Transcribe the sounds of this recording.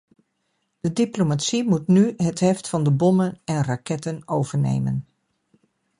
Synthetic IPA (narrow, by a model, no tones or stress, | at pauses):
d̥ədiplomatsimutnyɦətɦɛftfɑndəbɔmənɛnrakɛtənowv̥əɹnḛjmə̰n